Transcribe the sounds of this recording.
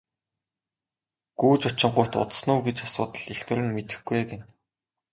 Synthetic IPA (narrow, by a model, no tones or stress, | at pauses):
ɡ̥uːt͡ɕʊt͡ɕɪ̆ɴɢʊjʰt̪ʊ̰t̪snuːɡet͡ɕasʊːt̪ə̆ɮ̥ext̪ʰɘ̆ɾʲɘ̆nmet̪ɘ̆xɡujeken